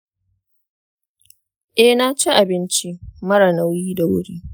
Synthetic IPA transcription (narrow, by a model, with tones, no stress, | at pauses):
ʔɛ˦naː˦t͡ʃi˦ʔa˨bɪ˦nt͡ʃi˦mɐ˦ɾa˨na˦wjiː˦da˨wʊ̰˦ɽiː˦